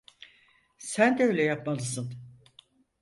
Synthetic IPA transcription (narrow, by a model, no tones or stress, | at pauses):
sænd̪ɛøjlʲɛjapmalˠɯsɯn